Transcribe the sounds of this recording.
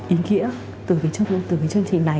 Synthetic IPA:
ʔi˨˦ŋḭ˧˥ə | t̪ɨ˨˩kə˨˦jt͡ɕŋ˧t̪ɨ˨˩kːjt͡ɕɨ˧əŋt͡ɕï˨˩ŋ̟na˨˩

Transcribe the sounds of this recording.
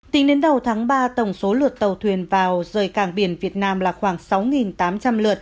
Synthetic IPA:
t̪ï˨˦ŋɗe˨˦nɗə˨˩wt̪ʰaː˨˦ŋɓaː˧t̪ə˧˩wŋ͡mso˨˦lɨ˨˩ət̚t̪ə˨˩wt̪ʰwi˨˩ənvaː˨˩wzəː˨˩jkaː˧˩ŋɓi˧˩ənvi˨˩ət̚naː˧mlaː˨˩xwaː˧˩ŋsa˨˦wŋi˨˩nt̪aː˨˦mt͡ɕa˧mlɨ˨˩ət̚

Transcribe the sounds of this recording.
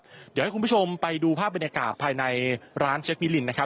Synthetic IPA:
di˨˩˦ha˥˩ku˧˦pu˥˩o˧mpa˧jduː˧pʰaː˥˩p̚ba˧njaː˧ka̰ː˨˩t̪̚pʰaː˧jna˧jɾaː˦˥nt͡ɕʰe˦˥k̚mi˦˥li˧nːa˦˥kʰa˦˥

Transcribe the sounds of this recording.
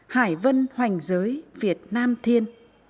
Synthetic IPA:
haː˧˩jvə˧nhwa˨˩jŋ̟zəː˨˦jvi˨˩ət̚naː˧mt̪ʰi˧ən

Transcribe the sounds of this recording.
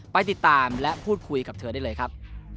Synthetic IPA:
pa˧jt̪i˨˩t̪ːaː˨mlɛ˦˥ʔpʰuː˥˩t̪̚kʰu˧jka˨˩p̚t̪ʰɤː˧˦da˥˩jlɤː˧jkʰɾa˦˥p̚

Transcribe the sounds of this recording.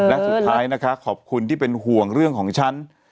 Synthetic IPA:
lɛ˦˥su˩t̪ʰːaː˦˥jna˦˥kʰa˦˥kʰɔː˨˩p̚kʰu˧nt̪ʰiː˥˩pe˧nɦu˨˩əŋɾɯ˥˩əŋkʰɔː˩˦ŋt͡ɕʰa˦˥n

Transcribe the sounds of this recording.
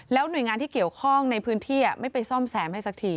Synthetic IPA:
lɛː˦˥wnu˨˩jŋaː˧t̪iː˥ki˨˩əwkʰɔ˥˩ŋna˧jpʰɯː˦˥nt̪ʰiː˥˩ʔa˩ma˥˩jpa˧jsɔː˥˩msɛː˩˦mha˥˩jsa˦˥t̪ʰiː˧˩

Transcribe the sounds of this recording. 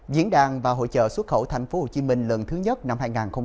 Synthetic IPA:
vḭ˧˥ənɗaː˨˩ŋvaː˨˩ɦo̰˧˨jt͡ɕə̰ː˧˨swə˦˥t̚xə˧˩wt̪ʰɛ˨˩jŋ̟fo˨˦ho̰˧˨˩t͡ɕi˨˦mï˧ŋ̟lə˨˩nt̪ʰɨ˨˦ɲə˦˥t̚na˧mhaː˧jŋaː˨˩nxə˧ŋ͡m

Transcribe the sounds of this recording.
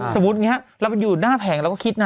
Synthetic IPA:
so˩˦mu˦˥t̪̚ŋi˦˥ɐɾaː˧˦˩wpjuː˨˩t̪̚naː˥˩pʰɛː˩˦ŋlɛ˦wkːkʰi˦˥t̪̚na˧

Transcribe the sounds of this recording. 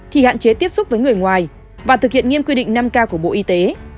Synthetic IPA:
t̪ʰi˨˩ha̰ː˧˨nt͡ɕe˨˦t̪i˦˥əp̚sʊ˦˥k͡p̚vəː˨˦jŋɨ˨˩əjŋwaː˨˩j | vaː˨˩t̪ɨ˨k̚hi˧˨ənŋi˧əmkwi˧ɗḭ̈˧˨ŋ̟na˧mkaː˧ku˧˩əɓo̰˧˨ʔi˧t̪e˨˦

